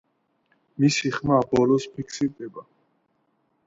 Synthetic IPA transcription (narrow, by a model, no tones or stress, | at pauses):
misiχmabɔlɔspʰikʰsiɾd̪ɛba